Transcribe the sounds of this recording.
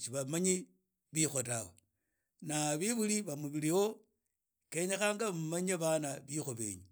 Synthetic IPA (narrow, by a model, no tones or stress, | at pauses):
t͡ʃiβamaɲi | βixo̞tawḛ | naβiβuliβamuβilio̞ | keɲexaːŋɡaβammaɲaβanaβixoβḛːɲu